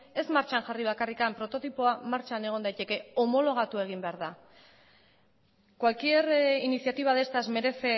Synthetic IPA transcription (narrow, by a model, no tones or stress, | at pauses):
e̞zmaɾt͡ʃanʝariβ̞akarikampɾo̞t̪o̞t̪ipoamaɾt͡ʃane̞ɣ̞o̞nd̪ajt̪e̞ke̞o̞mo̞lo̞ɣ̞at̪ue̞ɣ̞imbe̞aɾða | kwalkierinisjat̪iβ̞aðe̞st̪azme̞ɾe̞se